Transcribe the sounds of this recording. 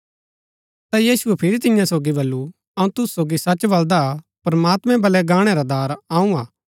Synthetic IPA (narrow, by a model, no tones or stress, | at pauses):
t̪ajiːsuɛpʰɪɾit̪ɪjãsoːɡibɐlːu | ɐũt̪ʊssoːɡisɐt͡ʃʋɐld̪a | pɾɐmaːt̪mɛ̃bɐlɛɡaːɽ̃ɛɾad̪aːɾaːũaː